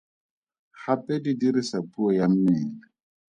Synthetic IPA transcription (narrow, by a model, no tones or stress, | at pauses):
χapʼɛdidiɾɪsapʼuɔjam̩mɛːlɛ